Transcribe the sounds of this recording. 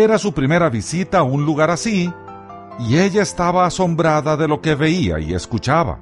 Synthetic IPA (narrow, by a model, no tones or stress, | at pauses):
e̞ɾasupɾime̞ɾaβisit̪aunluɣaɾasi | ie̞ʝaest̪aβaːso̞mbɾaðaðe̞lo̞ke̞βe̞ia̰ḭe̞̰skut͡ʃaβa̰